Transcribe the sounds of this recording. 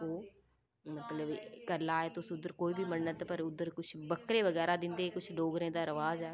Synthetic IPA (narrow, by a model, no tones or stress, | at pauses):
oː | mət̪ləbkəɾlaːeːt̪ʊsʊd̪əɾkoːiːbiːmənːət̪pəɾʊd̪ːəɾkʊt͡ʃʰbəkɾeːʋəɡɛːɾaːd̪ɪnd̪eːkʊt͡ʃʰɖoːɡɾẽːd̪aːɾəʋaːzɛː